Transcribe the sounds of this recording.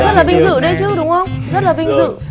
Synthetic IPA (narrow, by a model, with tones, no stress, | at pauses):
zə˦˥t̚laː˨˩ɓï˧ŋ̟zɨ̰˧˨ɗe˧jt͡ɕɨ˦ɗʊ˨˦ŋ͡mxə˧wŋ͡mzə˦˥t̚laː˨˩ɓï˧ŋ̟zɨ̰˧˨